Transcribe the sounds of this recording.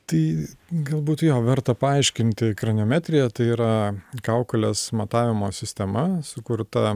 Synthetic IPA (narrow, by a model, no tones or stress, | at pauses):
t̪ɐɪɡɐlˠbuːt̪joːʋʲɛɾt̪ɐpɐɐɪʃʲkʲɪnʲt̪ʲɪkɾɐnʲoːmʲæːt̪ʲɾʲɪjɛt̪ɐɪiːɾɐkɑʊkɐlʲeːsmɐt̪ɑːʋʲɪmoːsʲɪsʲt̪ʲɛmɐsʊkʊɾt̪ɐ